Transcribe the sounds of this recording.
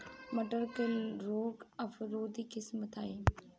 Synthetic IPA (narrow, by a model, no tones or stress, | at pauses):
mɐʈəɾkelɾoːɡɐfɾoːd̪iːkɪsmət̪aːeː